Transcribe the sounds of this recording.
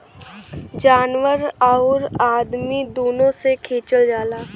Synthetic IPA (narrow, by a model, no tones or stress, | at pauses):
d͡ʒaːnʋəɾaoɾaːd̪mid̪oːnõsekʰeːt͡ʃəld͡ʒaːlaː